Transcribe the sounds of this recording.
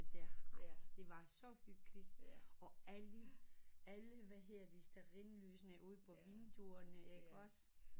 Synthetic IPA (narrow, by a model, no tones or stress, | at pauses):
æd̥e̝ʋɑ̈sɒ̽hyɡ̥əlid̥ɒ̽æləæləʋæɦe̝ð̰ˠd̥isd̥æʁinlyːsənæʔuð̰ˠpʰɒ̽ʋind̥uɐnəeɡ̥ɒs